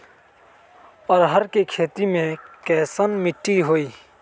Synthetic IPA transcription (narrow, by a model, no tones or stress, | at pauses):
əːɾɦəɾkekʰeːt̪imẽkɛːsənmɪʈːiɦoːiː